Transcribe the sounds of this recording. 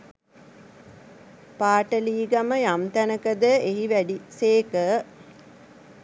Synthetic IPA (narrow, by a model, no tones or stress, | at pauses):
paːʈəliːɡaməjamt̪ænəkəd̪əeɦiʋæɖiseːkə